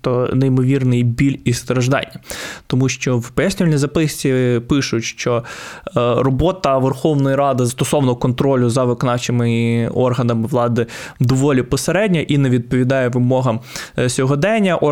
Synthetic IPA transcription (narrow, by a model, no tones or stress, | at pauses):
t̪ɔnejmɔʋʲirnɪjbʲilʲist̪ɾɐʒd̪ɑ̰nʲːɐt̪ɔmuʃt͡ʃɔwpɛɛsʲnʲilʲnʲizɐpɪsʲt͡sʲipɪʃʊtʲʃt͡ʃɔ | ɾɔbɔt̪ɐʋerxɔwnɔjiɾɑd̪ɪzst̪ɔsɔʋnɔkɔnt̪ɾɔlʲʊzɐʋɪkɔnɑt͡ʃɪmɪɔrɦɐnɐmɪʋlˠɑd̪ɪd̪ɔʋɔlʲipɔseɾɛdʲnʲɐʔinɛʋʲid̪̚pɔʋʲid̪ɑjɛʋɪmɔɦɐmsʲɔɦɔd̪ɛnʲɐʔɔ